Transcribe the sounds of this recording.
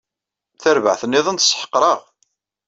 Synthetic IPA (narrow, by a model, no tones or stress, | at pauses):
θæɾvə̰ʕθənːiðˤənt̪sˤħə̥qːɾˤɑʁ